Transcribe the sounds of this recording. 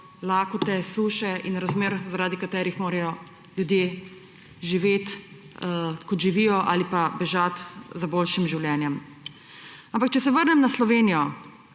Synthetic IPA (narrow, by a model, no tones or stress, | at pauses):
laːkɔt̪ɛsuːʃɛinɾazmeːɾzaɾaːd̪ikat̪ɛːɾixmoːɾɛjɔ | ljud̪jeː | ʒiʋeːt̪ | kɔt̪ʒiʋiːjɔʔa̰ːlipabɛʒat̪zaboːlʃimʒiwljɛːnjɛm | ampak̚t͡ʃɛsɛʋəɾnɛmnaslɔʋeːnijɔ